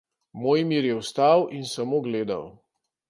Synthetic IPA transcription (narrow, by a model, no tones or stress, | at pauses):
moːjmiːɾjɛwst̪awʔinsamoːɡleːd̪a̰w